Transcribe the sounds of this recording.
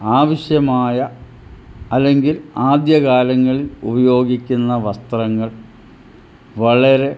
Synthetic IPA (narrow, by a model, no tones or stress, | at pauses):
aːʋɐɕjɐmaːjɐ | ɐlːe̞ŋɡilaːd̪jɐɣaːlɐŋːɐɭilubɐjo̞ːɡikʲːunːɐʋɐst̪ɐrɐŋːɐɭ | ʋɐɭɐɾe̞